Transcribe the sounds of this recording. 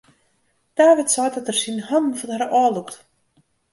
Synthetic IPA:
d̥aːʋɪtsɔjtdɔtərsinhann̩fɔnhaɾəʔɔːlˠukt

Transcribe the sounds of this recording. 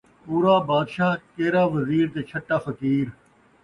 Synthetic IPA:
puːɾaːbaːd̪ʃaːkeːɾaːʋəziːɾt̪eːt͡ʃʰəʈːaːfɐkiːɾ

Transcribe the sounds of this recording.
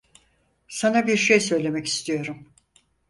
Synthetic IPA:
sanabiɾʃejsø̞jlʲe̞mɛci̥st̪ʰijo̞ɾum

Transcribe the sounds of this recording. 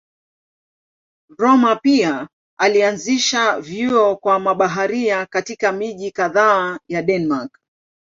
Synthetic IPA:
ɾɔmapia | alianziʃavjuɔkwamaɓaɦaɾiakatikamiʄikaðaːjaɗɛnmaɾk

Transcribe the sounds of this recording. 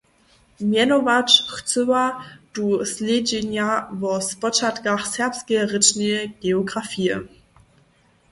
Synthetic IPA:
mjɛnovat͡ʃxt͡søvad̥usled͡ʒenjavɔsbɔt͡ʃatɡaχsɛɐpskəʁɪt͡ʃnəɡ̥eoɡʁafiːə

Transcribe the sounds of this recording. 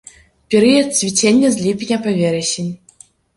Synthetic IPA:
pʲeɾʲijət̪̚t͡svʲit͡ɕʲenʲːɘzʲlʲipʲnʲapɐvʲeɾʲeɕɘnʲ

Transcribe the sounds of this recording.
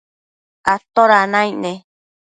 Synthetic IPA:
at̪oɾanãĩnẽ

